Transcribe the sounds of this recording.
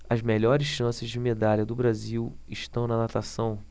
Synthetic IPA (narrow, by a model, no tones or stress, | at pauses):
ɐzmeʎɔɾɪsʃɐ̃sɪzd͡ʒɪmed̪aʎɐd̪ʊbɾaziwɪʃt̪ɐ̃w̃nɐnat̪asɐ̃w̃